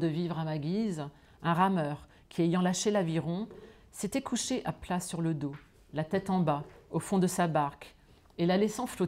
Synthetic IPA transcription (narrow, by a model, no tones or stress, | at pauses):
d̪əvivʁamaɡʲiz | ɛ̃ʁamœʁ | kʲʰiejɑ̃laʃelaviʁɔ̃ | set̪ɛkʰuʃeʔaplasyʁləd̪o | lat̪ɛt̪ɑ̃baofɔ̃d̪əsabaʁk | elalɛsɑ̃flo